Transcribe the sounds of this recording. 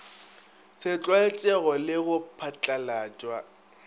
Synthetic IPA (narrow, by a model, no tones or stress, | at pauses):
sɪt͡ɬʼwaɛt͡ʃʼɛɣɔlɪɣʊpʰat͡ɬʼalaːt͡ʃʼwa